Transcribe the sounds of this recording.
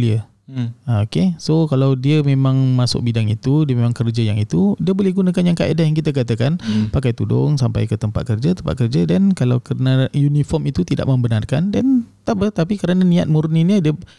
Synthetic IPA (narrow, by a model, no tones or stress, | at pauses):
liə | aokesokalawdiəmẽmãŋmasʊ̰k̚bidaŋit̪udiəmẽmãŋkərd͡ʒəjaŋit̪udiəbolɪhɡunãkanjaŋkaʔedahjaŋkit̪ak̬at̪akanpakajt̪udʊ̰ŋsampa̰jkət̪əmpa̰t̪̚kərd͡ʒaət̪əmpa̰t̪̚kərd͡ʒadankalawkəɾənajunifɔmit̪ut̪ida̰ʔmə̃mbənarkandant̪aʔbəht̪apikəɾananĩa̰t̪̚murniɲədiə